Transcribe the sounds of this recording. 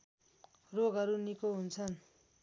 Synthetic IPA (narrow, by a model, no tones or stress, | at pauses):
roɡʱɦʌɾunikoɦunt͡sʰʌn